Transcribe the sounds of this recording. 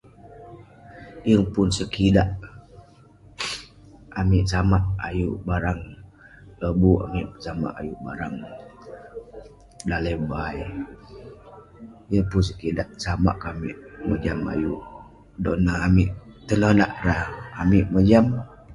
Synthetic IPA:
jəŋpunsəkidaʔ | amiʔsamaʔajuʔbaɾaŋ | ləbua̰miʔsama̰ʔa̰juʔba̰ɾaŋ | daləbaj | jəŋpʊns̬əkidaʔsama̰ʔkamḭʔmə̰d͡ʒama̰ju | donaːmiʔt̪ənonaʔɾahamiʔməd͡ʒam

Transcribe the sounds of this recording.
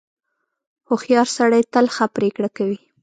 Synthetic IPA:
hʊxjɑɾsaɽajt̪əlxapɾekɽakawi

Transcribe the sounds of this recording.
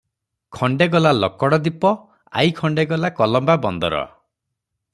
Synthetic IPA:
kʰɔɳɖeɡɔlalɔkɔɽɔd̪ipɔ | a̰jkʰɔɳɖeɡɔlakɔlɔmbabɔnd̪ɔ̰ɾɔ̰

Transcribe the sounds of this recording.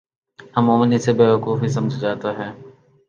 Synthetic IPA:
ɦɐmoːmənisebeːʋɐkuːfɦisɐməd͡ʒʱd͡ʒaːt̪aɦɛː

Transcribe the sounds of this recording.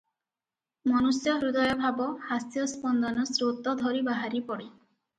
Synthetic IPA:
mɔnusjɔɦɾud̪ɔjɔbʱabɔhasjɔspɔnd̪ɔnɔsɾot̪ɔd̪ʱɔɾibaɦaɾipɔɽi

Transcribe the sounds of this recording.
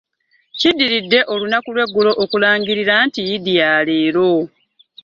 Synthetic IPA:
cidːiɾidːe̞ʔo̞lunakulwe̞ɡːulo̞ʔokulaːɲɟiɾiɾantijidijaːleːɾo̞

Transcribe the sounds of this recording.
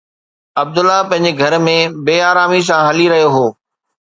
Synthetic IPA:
ɐb̚d̪ʊlːapɐ̃ɦɪ̃ɲ̆d͡ʑeɡʱɐɾmẽbeːaːɾaːmis̬ãɦɐliɾɐɦijoɦoː

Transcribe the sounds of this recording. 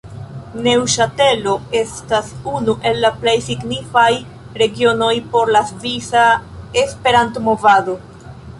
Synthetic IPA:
ne̞wʃate̞lo̞e̞stasunuʔe̞lːaple̞jsiɡnifaj | ɾe̞ɡio̞no̞jpo̞ɾlasvisae̞spe̞ɾantomo̞vado̞

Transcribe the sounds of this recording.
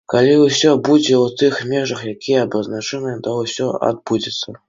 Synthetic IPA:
kalʲiwsʲɔbud͡zʲeut̪ɨxmʲeʐɐxjakʲijɛːbɐznat͡ʂɛnɨt̪owsʲɔa̰d̪̚bud͡zʲɪt̪sɐ

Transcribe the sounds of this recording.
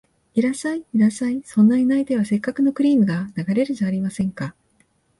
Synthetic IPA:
iɾasaiiɾasaisõ̞nːainait̪e̞β̞ase̞kːakɯ̟no̞kɯ̟ɾʲiːmɯ̟ɡanaɡaɾe̞ɾɯ̟zaːɾʲimasẽ̞ŋka

